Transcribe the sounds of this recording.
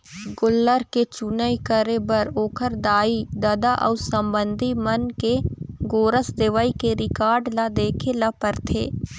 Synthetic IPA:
ɡʊlːəɾket͡ʃunəikəɾebəɾoːkʰəɾd̪aːid̪ɐd̪aʔɔ̰ːsɐ̃mbə̃nd̪ʱimɐnkeɡoːɾəsd̪ɪʋaikeɾɪkaːɾɖlad̪eːkʰelapəɾt̪ʰḛː

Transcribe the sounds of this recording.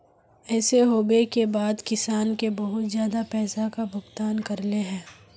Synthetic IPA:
ɛːseɦoːbekebaːd̪kɪsaːnkebɐɦʊt̪zjaːd̪apɛːsakabʱʊɡt̪aːnkɐɾleɦɛ̃ː

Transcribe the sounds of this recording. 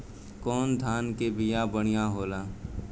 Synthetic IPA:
kɔːnd̪ʱaːnkebɪjabəɽ̃ɪjaɦoːlaː

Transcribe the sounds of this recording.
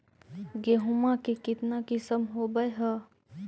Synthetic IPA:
ɡeɦʊmakekɪt̪nakɪsəmɦobəjɦə

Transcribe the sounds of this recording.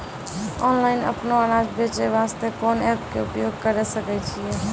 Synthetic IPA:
ɔnlaɪnə̰pnoaɾad͡ʒbet͡ʃeʋast̪ekɔːnɛpkeupjoɡ̚kəɾɛsəkɛt͡ʃʰijɛ

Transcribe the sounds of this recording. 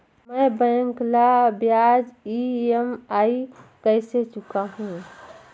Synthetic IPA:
məjbə̃ŋklabjad͡ʒiemaikəɪset͡ʃukaɦũ

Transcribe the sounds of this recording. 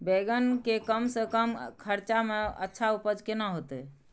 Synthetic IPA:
beɡənkekəmsəkəmkʰəɾt͡ʃameə̰tːʃʰaupəd͡ʒkenaɦot̪ɛ

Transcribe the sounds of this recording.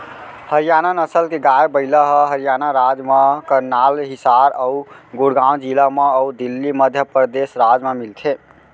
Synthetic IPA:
həɾijananəsəlkeɡajbəɪləɦəɦəɾijanaɾad͡ʒmakəɾnalɦisaɾəuɡuɽɡaw̃d͡ʒilameəud̪ilːiməd̪ʱjəpɾəd̪esɾad͡ʒmemilt̪ʰe

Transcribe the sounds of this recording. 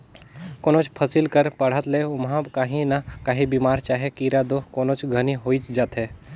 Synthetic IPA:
koːnoːt͡ʃpʰəsilkəɾpɐɽ̤ət̪leʊmɦãbkaːɦĩnakaːɦibiːmaːɾt͡ʃaːɦekiɾad̪okoːnot͡ʃɡʱəniɦoːit͡ʃd͡ʒaːt̪ɦe

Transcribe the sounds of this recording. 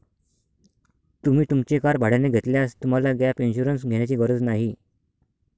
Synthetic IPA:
t̪um̤iːt̪umt͡ɕekaɾbʱaɽ̤aneɡʱet̪ljast̪um̤alaɡjapinɕuɾənsɡʱeɳjat͡ɕiːɡəɾəd͡znaɦi

